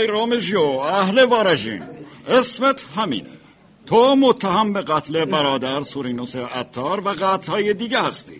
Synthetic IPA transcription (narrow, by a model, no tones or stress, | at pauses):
jɾoːmeʒijoæhle̞vɒːɾæd͡ʒḭːnesmet̪ʰɦæmḭːnḛ | t̪ʰomot̪ʰːæɦæmbe̞ɣæt̪ʰle̞bæɾɒːd̪æɾsuɾiːnoseæt̪ʰːɒːɾvæɢæt̪lhɒːjed̪iːɟehæst̪ḭ̥ː